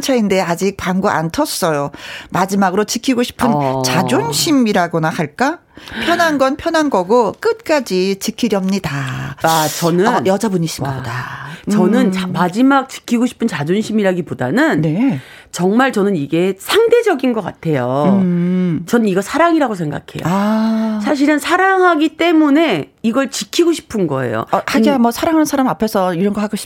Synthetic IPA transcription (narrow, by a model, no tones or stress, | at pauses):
t͡ɕʰainde̞ad͡ʑik̚paŋɡoʔa̰ntʰʌs͈ʌjomad͡ʑimaɡɯɾot͡ɕikʰiɡoɕʰi̥pʰɯnt͡ɕad͡ʑonɕʰimiɾaɡonahaɭk͈a | pʰjʌnɦanɡʌnpʰjʌnɦanɡʌɡok͈ɯt̚k͈ad͡ʑit͡ɕikʰiɾjʌmɲidaat͡ɕʌnɯnjʌd͡ʑabuɲiɕʰimabodat͡ɕʌnɯnmad͡ʑimak̚t͡ɕi̥kʰiɡoɕʰi̥pʰɯnt͡ɕad͡ʑonɕʰimiɾaɡipoda̰nɯnne̞ | t͡ɕʌŋmaɭt͡ɕʌnɯniɡe̞sʰaŋde̞d͡ʑʌɡinɡʌk͈a̰tʰe̞jo | t͡ɕʌnɯniɡʌsʰaɾaŋiɾaɡosʰeŋɡa̰kʰe̞̰jo̰ | sʰaɕ̬ʰiɾɯnsʰaɾaŋɦaɡit͈e̞mune̞iɡʌɭt͡ɕikʰiɡoɕʰi̥pʰɯnɡʌ̰e̞̰jo̰had͡ʑiamʌsʰaɾaŋɦansʰaɾamapʰe̞sʰʌiɾʌnɡʌhaɡoɕʰi̥